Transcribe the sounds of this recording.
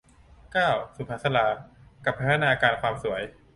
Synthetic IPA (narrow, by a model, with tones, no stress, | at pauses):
kaː˥˩wsu˨˩˦pʰaː˨˩sa˧laː˩˦ka˨˩pʰa˥naː˧kaː˧nkwaː˧msu˩˦əj